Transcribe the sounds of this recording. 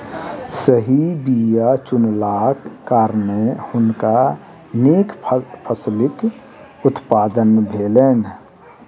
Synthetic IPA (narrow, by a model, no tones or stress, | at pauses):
səɦibijat͡ʃʊnlaːkːaːɾnehʊnka | neːkʰpʰəslɪk | ʊt̪paːd̪ənbʱeleːn